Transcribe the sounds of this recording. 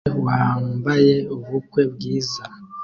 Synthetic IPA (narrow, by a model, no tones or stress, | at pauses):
waːmbaje̞uβukwe̞bɡiːza